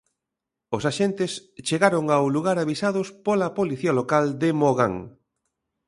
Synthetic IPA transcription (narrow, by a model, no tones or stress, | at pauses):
osaʃent̪ɪst͡ʃeɣaɾoŋawluɣaɾaβisaðʊspolɐpoliθialokald̪ɪmoɣa̰ŋ